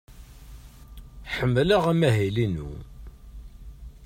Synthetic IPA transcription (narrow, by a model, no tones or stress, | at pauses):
ħəmːləʁæmæɦilinṵ